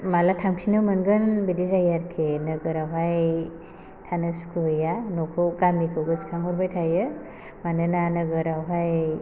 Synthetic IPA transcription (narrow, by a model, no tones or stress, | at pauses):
malatʰamksʰinɯwmɯnɡɯnbidizajaɾkʰenɯɡɯɾawɦaj | tʰanɯsu̥kʰuɯjanɔkʰɔɡamikʰɯɡɯskʰaŋɔɾbajtʰajɯ | manɯnanɯɡɯɾawɦaj